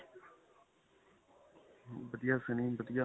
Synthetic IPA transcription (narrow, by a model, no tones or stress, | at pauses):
bəd̪jaːsənĩːbəd̪jaː